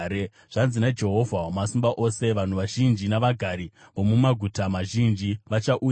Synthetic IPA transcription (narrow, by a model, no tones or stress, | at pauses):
ʐ̥anzinad͡ʒe̞ɦo̞vʱaomasimbaʔo̞se̞ʋan̤uʋaʒind͡ʒinaʋaɡʱaɾiʋo̞mumaɡʱutamaʒind͡ʒiʋat͡ʃaʔu